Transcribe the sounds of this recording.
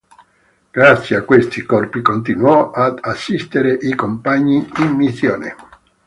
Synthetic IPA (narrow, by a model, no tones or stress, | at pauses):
ɡ̥ɾat̪sjeakːwest̪ikɔrpikont̪̬inwɔad̪asːist̪eɾeʔikompaɲːiimːisːjoːnḛ